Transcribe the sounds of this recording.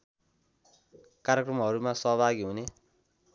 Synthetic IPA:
kaɾjekrʌmɦʌɾumasʌɦʌbʱaɡiɦune

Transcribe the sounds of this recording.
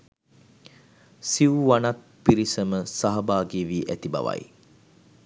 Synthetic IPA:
siwuʋanat̪̚ | piɾisəməsaɦɐbaːɡiʋiːʔæt̪iba̰ʋa̰j

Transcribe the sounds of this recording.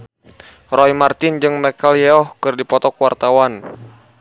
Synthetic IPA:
rɔjmart̪ɪnd͡ʒɨŋmɛkaljɛɔhkɨrdipɔt̪ɔkwart̪awan

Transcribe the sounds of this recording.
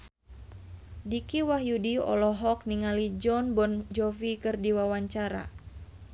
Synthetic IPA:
dikiwaɦjudiɔ̰lɔɦɔk̚niŋalid͡ʒɔnbɔnd͡ʒɔfikɨrdiwawaɲt͡ʃaɾa̰

